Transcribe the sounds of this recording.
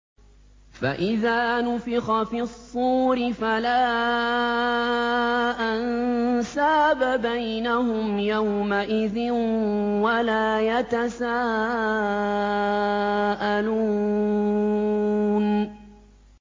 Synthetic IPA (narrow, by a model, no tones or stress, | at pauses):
fa̰ʔɪðaːnʊfɪxɑfɪsˤːuːɾɪfalaː | ʔansaːbabajnahʊmjawmaʔɪðɪnwalaːjat̪asaː | ʔaluː | n